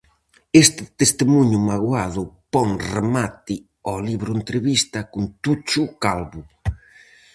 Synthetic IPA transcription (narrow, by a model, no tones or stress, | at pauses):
est̪ɪt̪est̪ɪmuɲʊmaɣwaðʊpɔŋremat̪ɪ | ɔliβɾʊent̪ɾeβist̪ɐkʊnt̪ut͡ʃʊkalβʊ